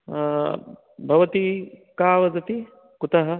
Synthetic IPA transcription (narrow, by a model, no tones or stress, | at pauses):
bʱɐʋɐt̪ikaːʋɐd͡zɐt̪i | kut̪ɐɦɐ